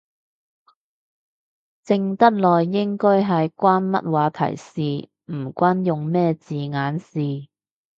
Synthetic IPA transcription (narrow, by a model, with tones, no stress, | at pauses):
t͡sɪ˧ŋt̪ɐ˥t̚lɔː˨˩jːɪ˥ŋkɔː˥jɦɐ˨˧jkʷaː˥nmɐ̰˥t̚waː˨˥t̪ʰɐ̰˨˩jsiː˨˧ | m̩˨˩kʷaː˥njʊ˨ŋmɛː˥t͡siː˨ŋaː˨˥nsiː˨˩